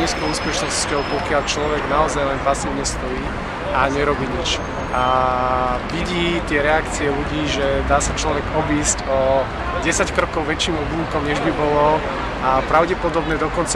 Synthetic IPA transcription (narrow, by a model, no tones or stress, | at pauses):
ɲiːskɔʊuːspɛʃnɔsscɔʊpɔkɪaʎt͡ʃlɔʋɛɡnaɔzajlɛnpasiːʊɲɛst̪ɔiː | aɲɛɾɔbiːɲit͡ʃ | a | ʋiɟiːt̪ɪɛɾɛakt͡siɛluɟiːʒɛd̪aːsat͡ʃlɔʋɛɡɔbiːzcɔ | ɟɛsackɾɔkɔʊʋɛt͡ʃːiːmɔbluːkɔmɲɛʒbibɔlɔ | apɾaʊɟɛpɔd̪ɔbnɛd̪ɔkɔnt͡s